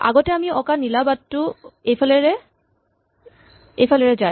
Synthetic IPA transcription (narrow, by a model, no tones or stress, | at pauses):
a̰ɡɔtɛamiɔkanilabattːʊejpʰalɛɹɛ | ejpʰalɛɹɛzaj